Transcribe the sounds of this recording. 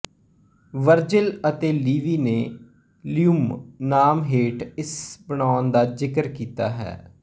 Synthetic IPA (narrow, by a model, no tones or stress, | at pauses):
ʋəɾd͡ʒɪlət̪eːliːʋiːneː | liʊmnaːmɦeːʈɪsbəɳ̃aːʊnd̪aːzɪkəɾkiːt̪a̰ːɦɛ̰ː